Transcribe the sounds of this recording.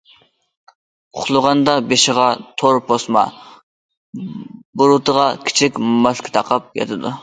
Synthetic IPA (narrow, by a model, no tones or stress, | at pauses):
ʊχlˠʊʁɑnd̪ɑbeʃɪʁɑt̪ʰoɾpʰosmɑ̰ | buɾut̪əʁɑkʲʰi̥t͡ʃʰikʲmmɑʃkʰʲɪ̥t̪ʰɑqʰɑp̚jɑ̰t̪ʰɨd̪u